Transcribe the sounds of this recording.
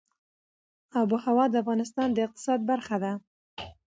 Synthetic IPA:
ɑbuhawɑd̪əafɣɑnɪs̬t̪ɑnd̪əɪq̚t̪ɪ̥sɑd̪̚baɾxad̪a

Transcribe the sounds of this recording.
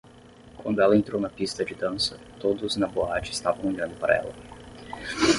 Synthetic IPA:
kwɐ̃nd̪ʊɛlɐẽnt̪ɾownɐpist̪ɐd͡ʒɪd̪ɐ̃sɐ | t̪od̪ʊznɐboat͡ʃɪɪst̪avɐ̃w̃oʎɐ̃nd̪ʊpaɾɐ̰ɛ̰lɐ̰

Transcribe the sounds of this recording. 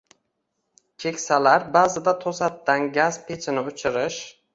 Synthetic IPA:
kʲʰe̞kʲsalaɾbaːzɪd̪at̪ʰosat̪ːanɡʲazpʰet͡ʃʰɪnɪʊt͡ʃʰɪɾɪʃ

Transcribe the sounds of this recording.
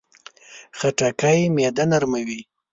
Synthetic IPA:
xaʈakajmed̪anaɾmawi

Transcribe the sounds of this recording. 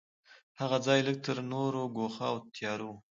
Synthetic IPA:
haɣad͡zɑjlək̚t̪əɾnoɾoɡoxawt̪ʰjɑɾuw

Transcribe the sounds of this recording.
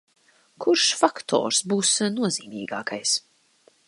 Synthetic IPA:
kʰuɾʃfakt̪ʰɔ̰ːɾsbuːsnuɔziːmiːɡa̰ːkajs

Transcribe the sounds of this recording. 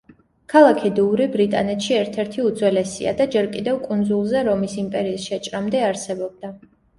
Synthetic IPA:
kʰalˠakʰid̪uːɾibɾit̪ʼa̰nɛt̪ʃiɛɾt̪ʰɛɾt̪ʰiud̪zwɛlɛsḭa̰d̪ad͡ʒɛɾkʼid̪ɛvkʼund̪zulˠzɛɾɔmisimpʼɛɾiːsʃɛt͡ʃʼɾamd̪ɛaɾsɛbɔb̚d̪a

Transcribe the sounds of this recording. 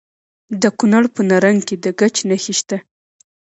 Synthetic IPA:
d̪əkunaɽpənaɾaŋked̪əɡat͡ʃnaxiʃt̪a

